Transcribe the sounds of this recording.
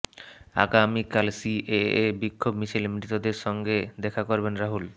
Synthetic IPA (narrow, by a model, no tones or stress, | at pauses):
a̰ɡamikalsiʔeebikʰːobmisʰilmit̪od̪eɾʃɔŋɡed̪ɛkʰakoɾbenɾaɦul